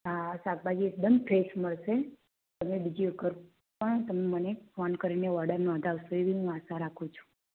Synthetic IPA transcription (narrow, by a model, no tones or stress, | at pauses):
ɦasak̚bad͡ʒiek̚d̪əmpʰɾesməɭʃe | t̪əmebid͡ʒiəɡəɾ | pəɳt̪əmemənefɔnkəɾineʋɔɖəɾnɔ̃nd̪ʱaʋsueʋiɦũasaɾakʰũt͡ʃʰu̥